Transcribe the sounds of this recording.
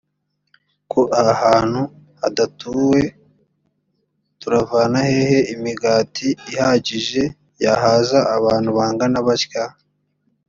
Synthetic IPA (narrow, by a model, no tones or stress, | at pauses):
kʰoʔahaːn̥hu | hadatuwe̞ | tuɾavaːnahe̞he̞imiɡaːtʰiːhaɟiʒe̞ | jaɦaːzaːβaːn̥huβaːŋɡanaβaʃka